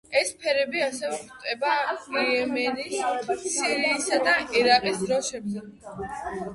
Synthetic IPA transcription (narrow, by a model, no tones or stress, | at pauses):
ɛspʰɛɾɛbiasɛvɛpʰt̪ʼɛbaiɛmɛnissiɾiːsad̪aʔɛɾaqʼisd̪ɾɔʃɛbzɛ